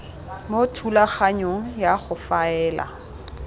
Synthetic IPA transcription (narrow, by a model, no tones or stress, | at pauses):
motʰulaχaɲoŋ̩jaχʊfaɛːla̰